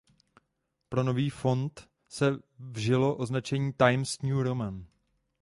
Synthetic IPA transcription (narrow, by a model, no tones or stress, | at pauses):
pɾo̞no̞viːfo̞nt̪ | sɛvʒɪlo̞ʔo̞znat͡ʃɛɲiːt̪ajmsɲuɾomɛn